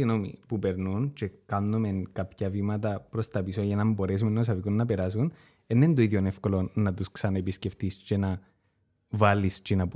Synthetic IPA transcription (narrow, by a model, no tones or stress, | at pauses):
ino̞mḭpupe̞ɾnunt͡ʃe̞kɐnnome̞nkɐpçɐvimɐt̪̬ɐpɾo̞st̪ɐpisojɐnɐmbo̞ɾe̞s̬umenːos̬ɐvikunːɐpe̞ɾɐs̬un | enːend̪oiðjonefko̞lo̞nnːɐt̪usksɐnɐepisce̞ft̪ist͡ʃenɐ | vɐlist͡ʃenɐp